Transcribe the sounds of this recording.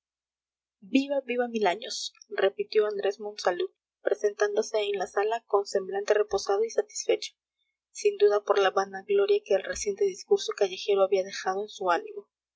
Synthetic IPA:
biβaβiβamilaɲo̞sre̞pit̪jo̞and̪ɾe̞zmõ̞nsalu | pɾese̞nt̪and̪o̞se̞ːnlasalako̞nse̞mblant̪e̞re̞po̞sað̞o̞isat̪i̥sfe̞t͡ʃo̥ | sind̪uðapo̞ɾlaβanaɣlo̞ɾjake̞ːlre̞sje̞nt̪e̞ðiskuɾso̞kaʝe̞xe̞ɾoaβiaðe̞xað̞o̞ensuanimo̞

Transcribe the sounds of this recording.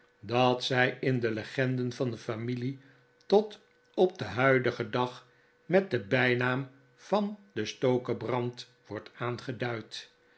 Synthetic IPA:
dɑtsɛjɪndələχɛndənvɑndəfamili | tɔt | ɔb̚dəɦœɥdəχədɑχ | mɛt̚dəbɛjnaːm | v̥ɑndəstowkəbrɑnt | ʋɔɹtaːnχədœɥt

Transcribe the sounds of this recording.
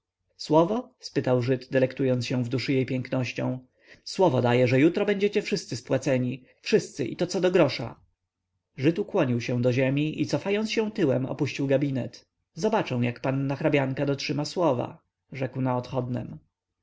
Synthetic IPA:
swɔvɔspɘt̪awʐɘd̪d̪ɛlɛkt̪ujɔnt̪sɕɛ̃w̃vd̪uʂɨjejpʲjɛŋknɔɕt͡ɕɔ̰̃w̃ | swɔvɔd̪ajɛʐɛjut̪ɾɔbɛɲd͡ʑɛt͡ɕɛfʂɘst̪sɘspwat̪sɛɲi | fʂɘst̪sɘ̰ʔḭt̪ɔt̪sɔd̪ɔɡɾɔʂa̰ | ʐɘt̪ukwɔɲiwɕɛw̃d̪ɔʑɛmʲiʔit̪sɔfajɔnt̪sɕɛ̃w̃t̪ɘwɛmɔ̰puɕt͡ɕiwɡabʲinɛt̪ | zɔbat͡ʂɛ̃w̃jakpanːaxɾabʲjaŋkad̪ɔtʂɘmaswɔva̰ | ʐɛkwnaɔt̪xɔd̪nɛ̰m

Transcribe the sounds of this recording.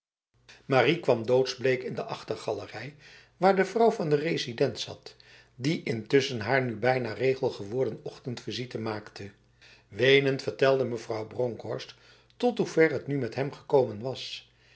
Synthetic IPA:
marikʋɑmdowtzblejkɪndəʔɑχtəɹχɑlərɛj | ʋaːɹdəvrʌwvɑndərejzidɛntsɑ̰t | diʔɪntʏsənɦaːɹnybɛjnaːrejχəlˠχəʋʊːɹdənɔχtəntfizitəmaːktʰə | ʋejnəntfəɹtɛlˠdəməvrɑwbroŋkɔɹst | tɔtɦuvɛɹɦətnymɛtɦɛmχəkowmənʋɑs

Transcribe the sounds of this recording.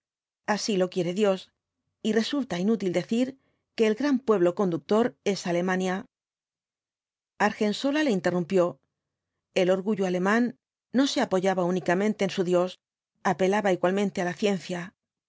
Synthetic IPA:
asilo̞kje̞ɾe̞ðjo̞s | ire̞sult̪ainut̪ild̪e̞θiɾ | ke̞ːlɡɾampwe̞β̞lo̞ko̞nd̪uk̚t̪o̞ɾe̞sale̞mãnja | aɾxe̞nso̞lale̞int̪e̞rumpjo̞ | e̞lo̞ɾɣuʝoale̞mãnː | o̞se̞apo̞ʝaβaunikamẽ̞nt̪e̞ːnsuðjo̞s | ape̞laβaiɣwalmẽ̞nt̪e̞alaθje̞nθja

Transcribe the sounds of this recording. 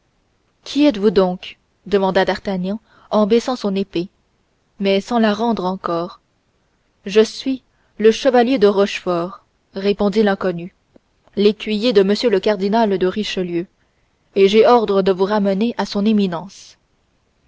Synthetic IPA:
kʲʰiɛt̪vud̪ɔ̃k | d̪əmɑ̃d̪ad̪aʁt̪anjɑ̃ | ɑ̃bɛsɑ̃sɔ̃nepe | mɛsɑ̃laʁɑ̃d̪ʁɑ̃kɔːʁ | ʒəsɥi | ləʃəvaljed̪əʁɔʃfɔːʁː | epɔ̃d̪ilɛ̃kɔny | lekʲɥijed̪əməsjøləkaʁd̪inald̪əʁiʃəljø | eʒeɔʁd̪ʁəd̪əvuʁaməneʔasɔ̃neminɑ̃s

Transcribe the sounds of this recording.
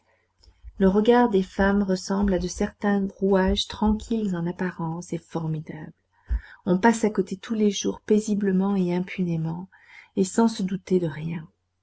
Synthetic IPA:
ləʁəɡaʁd̪efamʁəsɑ̃blad̪əsɛʁt̪ɛ̃ʁuaʒt̪χɑ̃kʲʰilzɑ̃napaʁɑ̃sefɔʁmid̪abl | ɔ̃pasakot̪et̪ʰuleʒuʁpezibləmɑ̃eɛ̃pʰynemɑ̃ | esɑ̃səd̪ut̪ed̪əʁjɛ̃

